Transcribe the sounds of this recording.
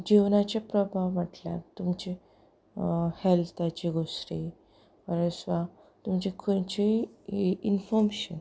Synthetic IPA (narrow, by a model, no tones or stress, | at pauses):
d͡ʑiʋnat͡ɕepɾɔbʱaʋːaʈlja̰t̪umt͡ɕe | hɛlt̪ʰat͡ɕiɡʱosɾi | ʋəɾesʋa | t̪umt͡ɕekʰot͡ɕi | infɔɾmeɕən